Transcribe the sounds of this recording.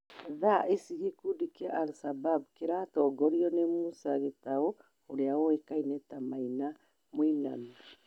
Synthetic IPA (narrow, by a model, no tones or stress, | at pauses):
ðaʔesiɣekudikiaʔalsabab̚keɾatɔːɡɔɾiɔnemusaɣetaɔ | oɾeawɔekainɛtamaina | moina̰mi